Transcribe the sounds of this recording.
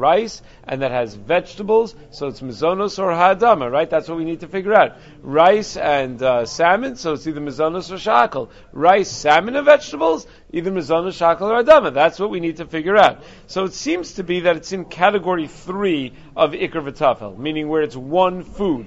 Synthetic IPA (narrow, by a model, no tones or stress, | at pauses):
ɹaɪs | ʔɨ̰̃nðɨt̚hɨzvɛd͡ʒtəbl̩ˠz̥ | soʊətsmɨzõʊnosə˞ɦaːdʌməɹaɪt̪̚ðætswʌt̚winid̚tɨfɪɡjə˞aʊt̚ | ɹaɪsɨ̃nsæmɨ̃nsoʊɨtsiðə˞mɨzõʊ̃nosə˞ʃɑkl̩ˠ | ɹaɪsæmɨ̃nɨvɛd͡ʒtəbl̩ˠz | ʔiðə˞mɨzõʊnɨsʃakl̩ˠə˞ədʌməðætswʌt̚winid̚tʰɨfɪɡjə˞aʊt̚ | soʊɨtsĩmz̥tʰɨbiðɨɾɨtsɨ̃nkʰæɾɨɡɔɹiθɹi | ʔʌvɪkɨvɨtʰɑfɛ̰lˠmĩnɪ̃ŋwə˞ɨtswʌ̃nfud̥̚